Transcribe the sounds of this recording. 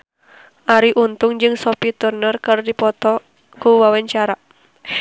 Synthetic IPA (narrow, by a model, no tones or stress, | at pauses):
ʔaɾiʔunt̪ʊŋd͡ʒɨŋsɔpit̪urnərkɨrdipɔt̪ɔ | kuwawaɲt͡ʃaɾa